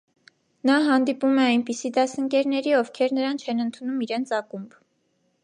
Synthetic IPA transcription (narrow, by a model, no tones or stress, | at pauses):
nɑɦɑnd̪ipumɛɑjnpisid̪ɑsəŋkɛɾnɛɾiɔvkʰɛɾnəɾɑnt͡ʃʰɛnənt̪ʰunumiɾɛnt͡sʰɑkumb